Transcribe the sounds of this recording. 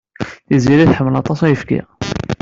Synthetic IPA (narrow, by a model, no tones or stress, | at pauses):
θiziɾæθħəmːəlɑt̪ˤɑsæjəfkḭ